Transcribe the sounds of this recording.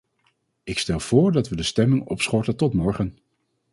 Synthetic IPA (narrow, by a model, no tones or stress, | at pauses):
ɪkstɛlˠv̥ʊːɹdɑtʋədəstɛmɪŋɔ̰psχɔɹtətɔtmɔɹχən